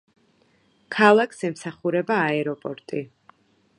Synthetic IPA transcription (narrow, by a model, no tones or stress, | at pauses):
kʰalˠakʰsɛmsaχuɾɛbaːɛɾɔpʼɔɾt̪ʼi